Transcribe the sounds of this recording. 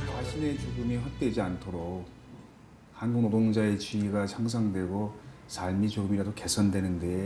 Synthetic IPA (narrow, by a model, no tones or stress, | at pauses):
t͡ɕaɕʰine̞t͡ɕoɡɯmiɸwak̚t͈we̞d͡ʑiantʰoɾok̚ | hanɡoŋnodoŋd͡ʑae̞t͡ɕiiɡat͡ɕʰaŋs̬ʰaŋdwe̞ɡosʰaɭmit͡ɕoɡɯmiɾadoke̞sʰʌndwe̞nɯnde̞